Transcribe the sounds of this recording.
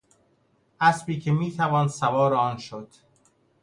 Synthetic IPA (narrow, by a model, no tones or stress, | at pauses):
ʔæsbiːcʰemiːt̪ʰævɒːnsævɒːɾeɒːnʃod̪̥